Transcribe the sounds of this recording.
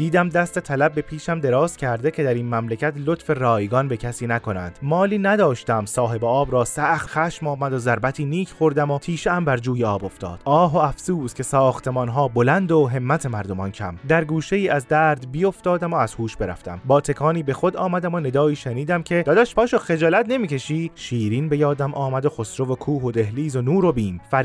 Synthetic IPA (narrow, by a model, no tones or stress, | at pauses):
d̪iːd̪æmd̪æst̪e̞t̪ʰælæb̚ːe̞pʰiːʃæmd̪e̞ɾɒːscʰæɾd̪ecʰe̞d̪æɾiːnmæmlecʰæt̪lot̪fe̞rɒːjɡɒnbe̞cʰæsiːnæko̞næ̰nd̪̥mɒːliːnæd̪ɒːʃt̪æmsɒːɦe̞beɒːbɾɒːsæxt̪xæʃmɒːmæd̪ozæɾbæt̪ʰiːniːcʰχo̞ɾd̪æmot̪ʰiːʃeæmbæɾd͡ʒuːjeɒːbo̞ft̪ɒ̰ːd̪̥ʔɒːɦoæfsuːzcʲʰe̞sɒːxt̪ʰe̞mɒnɦɒːbolænd̪oɦe̞mːæt̪ʰe̞mæɾd̪o̞mɒncʰæmd̪æɾɡuːʃe̞jiːʔæzd̪æːɾd̪bijoft̪ɒːd̪æmoæz̥huːʃb̥e̞ɾæ̰ft̪æ̰mbɒːt̪ʰe̞kʰɒːniːbe̞xo̞d̪ɒːmæd̪æmone̞d̪ɒːiːʃeniːd̪æmcʰe̞d̪ɒːd̪æʃpʰɒːʃoxe̞d͡ʒɒːlæt̪ne̞miːcʰe̞ʃiːʃiːɾiːnbe̞jɒːd̪æmʔɒːmæd̪oxosɾo̞vokʰuːɦod̪e̞ɦliːzonuːɾo̞biːnfæɾ